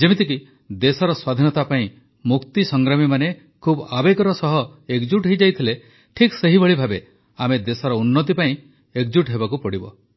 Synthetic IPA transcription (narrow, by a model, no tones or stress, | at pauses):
d͡ʒemit̪iki | d̪esɔɾɔswad̪ʱinɔt̪apaĩ | mukt̪isɔŋɡɾamimane | kʰubabekɔɾɔsɔɦɔekd͡ʒuʈɦejd͡ʒajt̪ʰile | ʈʰikseɦibɔɭibʱabe | amed̪esɔɾɔunːɔt̪̬ipaĩ | ek̚d͡ʒuʈɦebakupɔɽibɔ̰